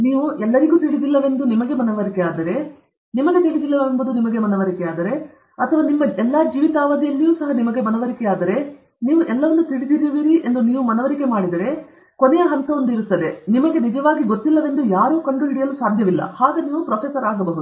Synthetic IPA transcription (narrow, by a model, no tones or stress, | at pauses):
niːʋuʔɛlːɐɾiɡuːt̪iɭid̪ilːɐʋe̞nd̪unimɐɡe̞mɐnɐʋɐɾikɛaːd̪ɐɾe̞ | nimɐɡe̞t̪iɭid̪ilːɐʋembɐd̪unimɐɡe̞mɐnɐʋɐɾikɛaːd̪ɐɾe̞ | ɐt̪ʰɐʋaːnimːɐɛlːaːd͡ʒiːʋit̪aːʋɐd̪ijɐlːijuːsɐɦɐnimɐɡe̞mɐnɐʋɐɾikɛaːd̪ɐɾe̞ | niːʋuʔɛlːɐʋɐnːut̪iɭid̪iɾiʋiːɾiʔe̞nd̪uniːʋumɐnɐʋɐɾike̞maːɽid̪ɐɾe̞ | konejɐɦɐnt̪ɐond̪uiɾut̪ːɐd̪e̞nimɐɡe̞nid͡ʒɐʋaːɡiɡot̪ːilːɐʋe̞nd̪ujaːɾuːkɐɳɖɾuɦiɽijɐlusaːd̪ʱjɐʋilːɐ̰haːɡeniːʋupɾoːpʰeːsɐɾaːɡɐbɐɦud̪u